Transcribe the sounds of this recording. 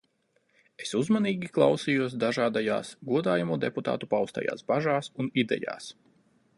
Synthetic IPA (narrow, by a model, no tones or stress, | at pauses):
e̞suzmaniːɡʲiklˠa̰wsijuɔsd̪aʒaːd̪aja̰ːsɡuɔd̪aːjamuːd̪eput̪a̰ːt̪upawst̪a̰ja̰ːsbaʒaːsunid̪ɛ̰ja̰ːs